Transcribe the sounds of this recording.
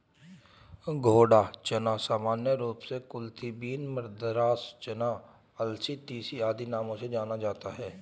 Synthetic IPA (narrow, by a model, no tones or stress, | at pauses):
ɡʱoːɽaːt͡ʃənaːsaːmaːnjəɾuːpsekʊlt̪ʰibiːnməɾd̪ɾaːst͡ʃənãː | əlsit̪iːsiaːd̪inaːmõsed͡ʒaːnad͡ʒaːt̪aɦɛː